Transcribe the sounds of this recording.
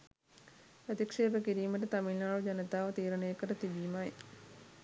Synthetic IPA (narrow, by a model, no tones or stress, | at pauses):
pɾət̪ikʂeːʋəkiɾiːməʈət̪amilːaːɭud͡ʒɐnət̪aːʋət̪iːɾənəjəkəɾət̪iʋiːmaj